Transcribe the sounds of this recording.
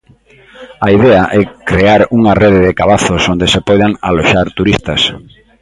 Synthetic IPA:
aiðɛaʔɛkɾeaɾuŋareðɪðɪkaβaθʊsond̪esepɔjðaŋa̰loʃaɾt̪uɾist̪ɐs

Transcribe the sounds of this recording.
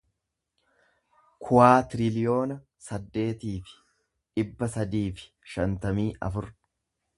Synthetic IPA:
kʰʊwaːt̪ɾɪlɪjo̞ːnɐ | sɐd̪ːe̞ːt̪iːfɪ̥ | ᶑɪbːɐsɐd̪iːfɪ̥ | ʃɐnt̪ɐmiːʔɐ̰fʊɾ

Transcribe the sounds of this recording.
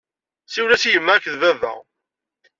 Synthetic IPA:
siwlæsijəmːæækːðvævæ̰

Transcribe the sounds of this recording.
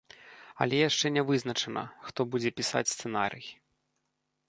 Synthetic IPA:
ɐ̰lʲɛjaʂt͡ʂɛnʲɛvɨzn̪ɐt͡ʂɛnɐ̰xt̪ɔbud͡zʲɛpʲisa̰t͡sʲst̪sɛnaɾɨj

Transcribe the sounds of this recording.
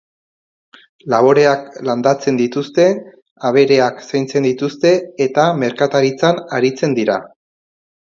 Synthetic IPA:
laβo̞ɾe̞akland̪at͡se̞nd̪it̪ust̪e̞ | aβ̞e̞ɾe̞aksajnt͡se̞nd̪it̪ust̪e̞ːt̪ame̞ɾkat̪aɾit͡sanaɾit͡se̞nd̪iɾa

